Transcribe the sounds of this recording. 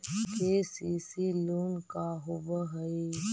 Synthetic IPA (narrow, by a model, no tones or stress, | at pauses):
keːsiːsiluːnkaɦʊbəɦəi